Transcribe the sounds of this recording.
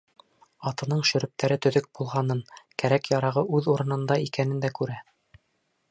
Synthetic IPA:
ɑt̪ɤ̆nɤɴʃɵ̆ɾɵ̆p̚t̪ʰæɾɘt̪ɵ̆ðɵk̚b̥ulˠʁɑnɤɴkæɾækjɑɾɑʁɤʔʉðuɾɤ̆nɤ̆nd̪ɑikænɘnd̪ækʉɾæ

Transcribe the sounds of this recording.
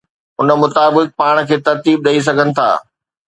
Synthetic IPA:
ʊnə̆mʊt̪aːbɪk̚paːɽ̃kʰeːt̪ɐɾt̪iːb̚ɗɐis̬ɐɡʱənɪ̆t̪ʰa̰ː

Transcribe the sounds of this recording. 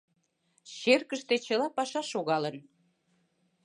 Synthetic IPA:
ɕerkəʃt̪et͡ɕəlɑpɑʃɑʃoɣɑlən

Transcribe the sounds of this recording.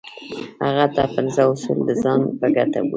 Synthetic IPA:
ha̰ɣat̪a̰pənzaʊsṵld̪əzɑnpəɡat̪a̰wṵ

